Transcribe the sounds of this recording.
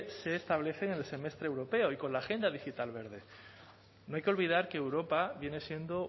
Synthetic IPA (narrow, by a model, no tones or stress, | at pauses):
se̞ːst̪aβ̞le̞θe̞ŋenelse̞me̞st̪ɾeewɾo̞pe̞oiko̞nlaxe̞nd̪aðixit̪alβe̞ɾð̞e̞ | noajkeo̞lβ̞ið̞aɾkeːwɾo̞paβje̞ne̞sje̞nd̪o̞